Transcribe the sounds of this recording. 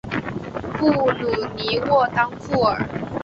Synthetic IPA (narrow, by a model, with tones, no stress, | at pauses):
fu˥˩lu˨˩ni˧˦wɔ˥˨t̪ɑ˥ŋfu˥˩ə̰˞˨˩˦